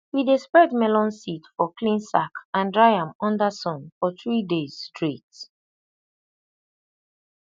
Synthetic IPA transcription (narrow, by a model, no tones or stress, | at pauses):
widespɛdmɛlɔ̃nsitfɔklĩnsakãndɹajãmɔ̃ndasɔ̃nfɔθɹidez̥stɹit